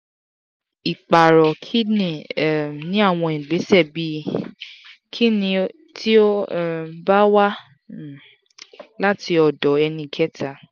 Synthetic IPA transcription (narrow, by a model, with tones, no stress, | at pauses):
i˨k͡pa˨ɾɔ˨kʰi˦nĩ˦˨nĩ˨˦a˦˨w̃ɔ̃˧ĩ˨ɡ͡be˨˦sɛ˦˨bi˧˦ | kʰi˦nĩ˧ | tʰi˦o˦˨ba˦wa˦˨ | la˦ti˧ɔ˧˨dɔ˨ɛ˧nĩ˧kɛ˦tʰa˦˨